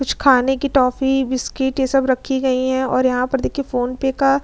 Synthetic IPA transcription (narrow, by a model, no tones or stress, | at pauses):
kʊt͡ʃʰkʰaːnekiʈɔːfibɪskɪʈjesɐbɾɐkʰːiɡɐiɦɛ̃ɔːɾjɐɦãpɐɾd̪eːkʰiefoːnpeːka